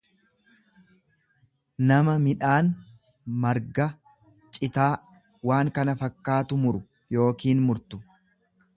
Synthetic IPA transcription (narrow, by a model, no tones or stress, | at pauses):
nɐmɐmɪᶑaːn | mɐɾɡɐ | t͡ʃʼɪt̪aː | waːŋkɐnɐfɐkːaːt̪ʊmʊɾʊ | jo̞ːkiːnmʊɾt̪ʊ